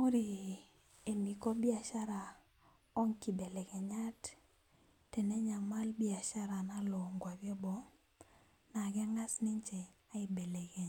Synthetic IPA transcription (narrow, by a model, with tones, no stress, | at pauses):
o˦ɾi˨ | e˨mi˨kɔ˦bi˦a˨ʃa˦ɾa˨ | ɔ˦ŋki˨be˨le˨kɛ˨ɲa˦t | tɛ˨nɛ˦ɲa˨ma˦lbi˦a˨ʃa˦ɾa˨na˦lo˨ŋɡwa˨bjɔ˦bɔ˨ | na˨ɡɛ˦ŋa˦sni˦ɲt͡ʃe˨a˦i˨be˨le˨kɛ˨